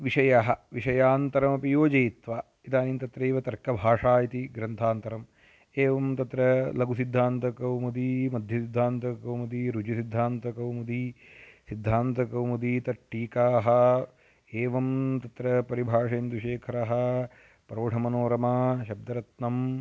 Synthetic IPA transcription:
ʋiʂɐjaɦɐʋiʂɐjaːnt̪ɐɾɐmɐpijoːd͡ʒɐjit̪ʋaː | it̪aːniːnt̪ɐt̪ɾeːʋɐt̪ɐɾkɐbʱaːʂaːjɐt̪iɡɾɐnt̪ʰaːnt̪ɐɾɐm | eːʋɐmt̪ɐt̪ɾɐlɐɡusid̪ʱːaːnt̪ɐkɐwmɐd̪imɐd̪ʱjɐsid̪ʱːaːnt̪ɐkɐwmɐd̪iɾud͡ʒɐsid̪ʱːaːnt̪ɐkɐwmɐd̪i | sid̪ʱːaːnt̪ɐkɐwmɐd̪it̪ɐʈːiːkaːɦɐ | eːʋɐmt̪ɐt̪ɾɐpɐɾibʱaːʂɐjɐnd̪uʃeːkʰɐɾɐɦɐ | pɾoːʈʰɐmɐnoːɾɐmɐʃɐb̚d̪ɐɾɐt̪nɐm

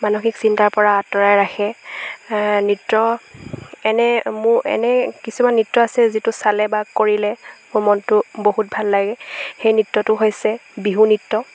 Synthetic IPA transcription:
manoxiksintaɹpɔɹaːtɔɹajɹaxʰɛ | nitɹɔ | ɛnɛmʊɹɛ̰nɛkisumanːitɹɔasɛzitʊsalɛbakoɹilɛmʊɹmɔntʊboɦut̚bʱalːaɡɛxejnitːɔtʊɦojsɛbiɦunitːɔ

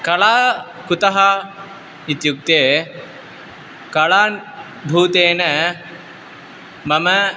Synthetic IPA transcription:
kɐɭaː | kut̪ɐɦɐ | it̪juk̚t̪eː | kɐɭan | bʱuːt̪eːnə | mɐmə

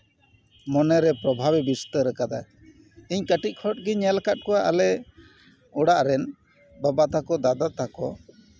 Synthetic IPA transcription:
mɔnɛɾɛpɾɔbʱabɛbist̪əɾəkad̪a̰ | iɲkəʈic̚ˀkʰɔʈ̚ɡɛɲɛlkat̪̚kɔaʔalɛ | ɔɽaʔɾɛn | babat̪akɔd̪ad̪at̪akɔ

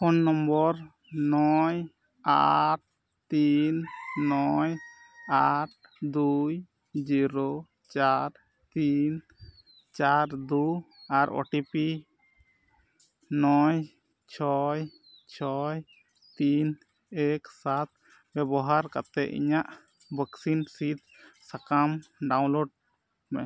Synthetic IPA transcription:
hɔnːɔmbɔɾ | nɔj | a̰ʈ̚ | t̪inːɔj | aʈ̚d̪uj | d͡ʒiɾo | t͡ʃaɾ | t̪in | t͡ʃaɾd̪u | aɾɔ̰ʈipi | nɔj | t͡ʃʰɔj | t͡ʃʰɔj | t̪in | ɛksat̪̚ | bɛbɔɦaɾkat̪ɛ̰ʔḭɲaʔ | bəksinsit̪̚ | sakamɖaw̃nloɖ̚ | mɛ

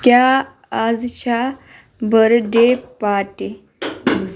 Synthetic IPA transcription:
kjaː | d͡zt͡ɕʰa | bəɾɖepaʈe

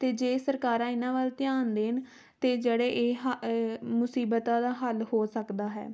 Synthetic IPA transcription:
t̪eːd͡ʒeːsəɾkaːɾãːɪnãːʋalt̪ɪjaːnd̪eːn | t̪eːd͡ʒeːɽeːʔeːɦmʊsiːbət̪ãːd̪aːɦəlhoːsəkd̪aːɦɛ̰ː

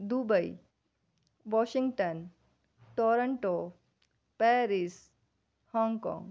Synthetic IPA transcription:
d̪ubəi | ʋɔːʃɪ̃ŋɡʈən | ʈɔːɾəɳʈoː | pɛːɾis | hɔ̃ːŋɡkɔ̰̃ːŋɡ

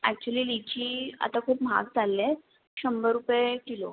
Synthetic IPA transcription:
æk̚t͡ɕuəliːlit͡ɕiːa̰t̪akʰuːpma̰k̚d͡zalːẽ | ɕəmbəɾupjekilo̰

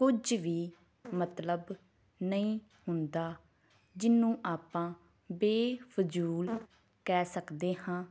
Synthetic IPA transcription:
kʊd͡ʒʋiː | mət̪ləb | nəĩː | hʊnd̪aː | d͡ʒɪnːũːʔaːpãː | beːpʰʊd͡ʒuːl | kɛːsəkd̪eːhãː

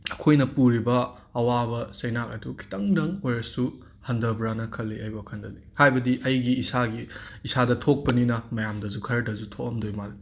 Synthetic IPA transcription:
ɐkʰojnɐpuɾibɐː | wabɐsɐjnak̚ɐdukʰi̥tɐŋdɐŋojɾɐsu | hɐndɐbɾanɐkʰɐlːiajbɐkʰɐndɐlihajbɐdiʔɐjɡiːsaɡiːsadɐtʰok̚pɐninɐmɐjamdɐzukʰɐɾɐdɐzutʰokɐmdojmali

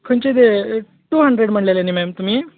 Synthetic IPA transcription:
kʰont͡ɕed̪e | ʈuːɦəɳɖɾeɽm̤əɳɖlelenimemt̪um̤iː

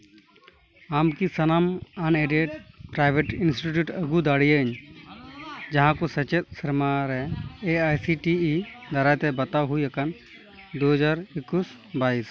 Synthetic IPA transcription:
amkisɐnamaneɖeɖpɾajbʱeʈinsʈiʈjuʈəɡud̪aɽijəəɲ | d͡ʒɐɦãkosɐt͡ʃet̪̚səɾmaɾɛeajsiʈiid̪ɐɾajt̪ɛbɐt̪aɦuijɐkan | d̪oɦəd͡ʒaɾɪkːus | bais

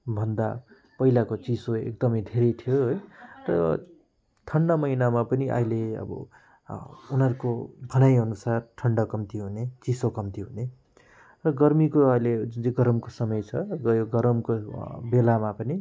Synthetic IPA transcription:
bʱʌnd̪a | pʌjlakot͡sisoḛk̚d̪ʌmʌjd̪ʱeɾʌjt̪ʰijoɦojrʌ̰ | t̪ʰʌɳɖʌmʌjnamapʌniʔʌ̰jleʌ̰bʌ̰ | unʌɾkobʱʌnajʌnusarʈʰʌɳɖʌkʌmt̪iɦunet͡sisokʌmt̪iɦune | rʌɡʌrmikoʌjled͡zunt͡seɡʌɾʌmkosʌmʌjt͡sʰʌɡʌjoɡʌɾʌmkobelamapʌni

